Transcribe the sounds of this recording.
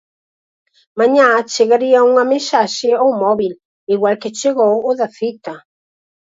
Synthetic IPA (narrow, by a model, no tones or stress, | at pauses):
maɲat͡ʃeɣaɾiauŋamesaʃɪawmɔβil | iɣwalket͡ʃeɣowʊðaθit̪a